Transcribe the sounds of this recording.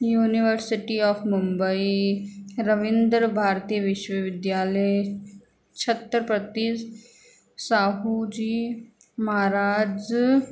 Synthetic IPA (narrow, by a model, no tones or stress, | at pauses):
juːniʋəɾsɪʈiɔːfmʊmbəi | ɾəʋɪ̃nd̪ɾbʱaːɾt̪ijəʋɪʃwəʋɪd̪jaːləj | t͡ʃʰət̪ːɾpɾət̪is | saːɦud͡ʒiː | mɐɦaɾaːd͡ʒ